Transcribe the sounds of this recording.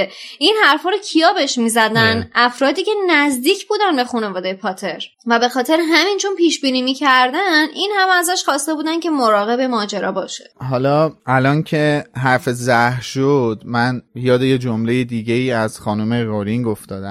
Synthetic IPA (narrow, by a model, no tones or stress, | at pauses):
inhæɾfɒːɾocʰijɒːbe̞ʃmiːzæd̪ænʔæfɾɒːd̪iːce̞næzd̪iːcʰbuːd̪ænbe̞xune̞vɒːd̪ejepʰɒːt̪ʰe̞ɾ | væbe̞xɒːt̪ʰe̞ɾeɦæmint͡ʃʰo̞npiːʃbiːniːmiːcʰæɾd̪ænʔinhæmæzæʃxɒːst̪e̞buːd̪æncʰe̞moɾɒːɣe̞bemɒːd͡ʒe̞ɾɒ̰ːbɒːʃeɦɒːlɒːælɒːncʰe̞ɦæɾfezæhɾʃod̪̥mænjɒːd̪ejed͡ʒomle̞jed̪iːɟe̞iːæz̥xɒːnumeɾoɾiŋɡoft̪ɒːd̪æ̰